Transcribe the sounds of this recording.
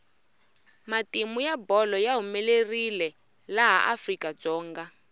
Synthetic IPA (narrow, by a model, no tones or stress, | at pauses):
matimujabɔlɔjaɦumɛlerilɛ | laɦa̰ʔafrikad͡zɔːŋɡa